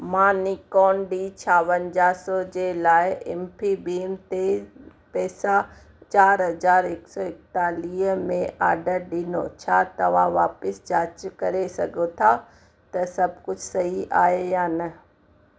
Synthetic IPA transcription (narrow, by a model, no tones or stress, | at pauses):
mãːnɪkɔːnɖiːt͡ɕʰaːʋənd͡ʑaːɾsod͡ʑeːlaːɪɛmpʰibiːmt̪e | pɛːsa | t͡ɕaːɾɦɐzaːɾɪksɔːɪk̚t̪aːliːɦəmẽʔaːɾɖəɾɗɪnot͡ɕʰat̪ɐʋãːʋaːpɪsd͡ʑaːt͡ʃkɐɾesɐɡʱot̪ʰa | t̪ɐsɐb̚kʊt͡ʃʰsɐɦiʔaːɦejaːnɐ